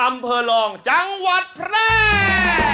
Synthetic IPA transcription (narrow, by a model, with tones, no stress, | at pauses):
ʔa˧mpʰɤː˧lɔː˧ŋt͡ɕa˧ŋwa˨˩t̪̚pʰɾɛː˥˩